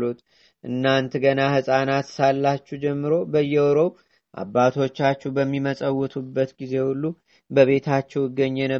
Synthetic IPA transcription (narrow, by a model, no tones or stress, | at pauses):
lut̪ | ʔɨnːant̪ʰɡənahɨsʼanat̪salːat͡ʃːud͡ʒɛmːɨɾo̞bəjːɛwɔɾow | ʔa̰bːat̪ʰo̞t͡ʃːat͡ʃːɛbəmːiməsʼəwːɔt̪ʰʼubːət̪ɡize̞hulːu | bəβe̞t̪ʰat͡ʃːɛwjɪɡːəɲːenə